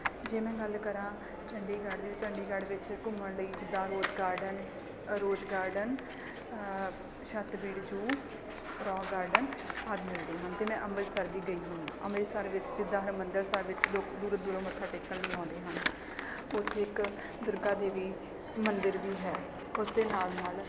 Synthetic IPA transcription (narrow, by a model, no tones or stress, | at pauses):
d͡ʒeːmɛ̃ːɡəlkəɾãː | t͡ʃəɳɖiːɡaːɖd̪iːt̪ːt͡ʃəɳɖiːɡəɽʋɪt͡ʃkʊməɳləiːd͡ʒɪd̪ːãːɾoːd͡ʒɡaːɾɖən | ɾoːd͡ʒɡaːɾɖən | ʃət̪ʋiːɽd͡ʒuː | ɾɔːɡaːɾɖənaːd̪mɪld̪eːɦənt̪eːmɛ̃ːʔəməlsəɾʋiːɡəiːɦõːnd̪a̰ːʔəmːsəɾʋɪt͡ʃd͡ʒɪd̪ːãːɦəmənd̪əɾsəɾʋɪt͡ʃloːkd̪uːɾd̪uːɾoːmət̪ʰːaːʈeːkːəlləːãːnd̪eːɦən | ʊt̪ʰːeːɪk | d̪ʊɾɡaːd̪eːʋiː | mənd̪əɾʋiːɦɛː | ʊsd̪eːnaːlnaːl